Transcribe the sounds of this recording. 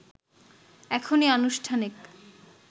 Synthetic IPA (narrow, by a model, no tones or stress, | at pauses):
ɛkʰonianuʃʈʰanek